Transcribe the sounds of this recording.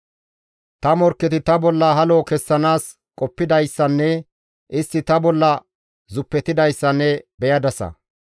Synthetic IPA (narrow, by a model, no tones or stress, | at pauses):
t̪ɐmɔɾkːɛt̪ɪt̪ɐbɔlːɐɦɐloːkɛsːɐnaːs | kʼɔpːɪd̪ɐjsːɐnːɛ | ʔɪst̪ːɪt̪ɐbɔlːɐ | zʊpːɛt̪ɪd̪ɐjsːɐnːɛbɛjɐd̪ɐsɐ̰